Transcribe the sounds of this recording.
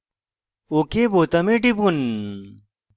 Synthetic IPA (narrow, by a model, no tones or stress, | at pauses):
okeboːt̪ɐmeʈipun